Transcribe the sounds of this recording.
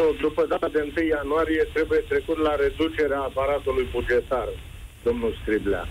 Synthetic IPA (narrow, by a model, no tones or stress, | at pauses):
d̪upəd̪at̪ad̪eɨnt̪ɨjjanuaɾije̞t̪ɾe̞buje̞t̪ɾe̞kut̪laɾe̞d̪ut͡ʃe̞ɾeaːpaɾat̪ulujbud͡ʒe̞t̪ar | d̪̥o̞mnulsk̪ɾibla̰